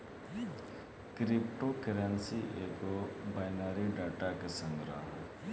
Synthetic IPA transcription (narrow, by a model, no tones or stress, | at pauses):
kɾip̚ʈokeɾensiʔeɡobajnaɾiɖaʈakesʌŋɡɾa̰